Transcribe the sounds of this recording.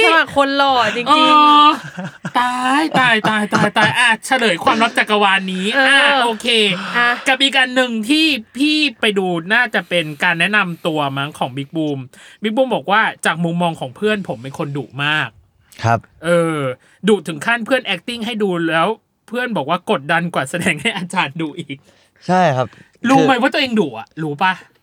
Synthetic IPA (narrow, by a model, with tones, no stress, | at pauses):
ma˨˩kʰo˧nlɔː˨˩t͡ɕi˧ŋʔoː˧ | t̪aː˧j̪aː˧˩jt̪aː˧˩jt̪aː˧˩jt̪aː˧˩jʔaː˧˩t͡ɕʰa˧lɤː˩˦jkʰwaː˧mɾa˦˥p̚t͡ɕa˨˩kːa˧waː˧nːiː˦˥ʔːʔaː˧˩ʔʔoː˧kʰeː˧ka˨˩p̚ʔiː˨˩kʔa˧nːɯ˨ŋt̪ʰiː˥˩pʰiː˥˩pa˧jduː˧naː˥˩t͡ɕa˨˩pe˧nkaː˧nːɛ˦˥ʔna˧mt̪u˧ɐma˦˥ŋkʰɔː˩˦ŋbi˦˥k̚buː˧mbi˦˥buː˧mbɔː˨˩k̚waː˥˩t͡ɕaː˨˩k̚mu˧mːɔː˧ŋkʰɔː˩˦ŋpʰɯ˥˩ənpʰo˩˦mːa˧˩nkʰo˧nduː˨˩maː˥˩k̚ | kʰa˦˥pʔɤː˧ | duː˨˩t̪ʰɯ˩˦ŋkʰa˥˩npʰɯ˥˩ənʔɛ˦˥k̚t̪i˥˩ŋɦa˥˩jduː˧lɛː˦˥w | pʰɯ˥˩ənbɔː˨˩kwaː˥˩ko˨˩t̪̚da˧nkwaː˨˩sa˧dɛː˧ŋɦa˥˩jʔaː˧t͡ɕaː˧˩nduː˧ʔiː˨˩k̚ | t͡ɕʰa˥˩jjkʰa˦˥p | luː˦ma˦˥waː˥˩t̪u˧ʔeː˧ŋduː˨˩ʔa̰˨˩ʔluː˦˥pa˧˩